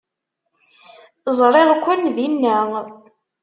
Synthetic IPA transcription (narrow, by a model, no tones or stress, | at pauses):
zˤɾˤeʁkʷːənðinːæ